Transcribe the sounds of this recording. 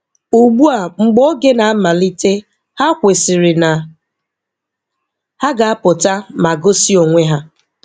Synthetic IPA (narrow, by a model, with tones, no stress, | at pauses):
u˨ɡ͡bu˦a˨ŋ͡m̩˨ɡ͡bo˦ɡe˦na˨a˦ma˨li˦te˦ | ha˦kʷe˨sɪ˨ɾɪ˨na˨ | ha˦ɡa˨a˦pʊ˨ta˦ma˨ɡo˦si˦o˨ŋʷe˦ɦa˦